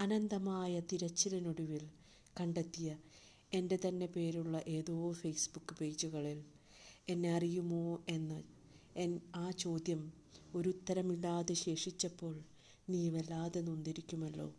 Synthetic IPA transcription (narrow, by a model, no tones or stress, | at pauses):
ɐnɐnd̪ɐmaːjɐt̪iɾɐt͡ɕːilɐnoɽuʋil | kɐɳɖet̪ːijɐ | e̞nde̞t̪ɐnːe̞pe̞ːɾuɭːɐʔe̞ːðo̞ːfejsbukːɨpe̞ːd͡ʑuɣɐɭil | e̞nːe̞ɐrijumo̞ːe̞nːɐ | enaːt͡ɕo̞ːd̪jɐm | o̞ɾut̪ːɐɾɐmiɭːaːðeɕe̞ːʂit͡ɕːɐpːo̞ːɭ | niːʋelːaːðenːund̪iɾikʲːumɐlːo̞̰ː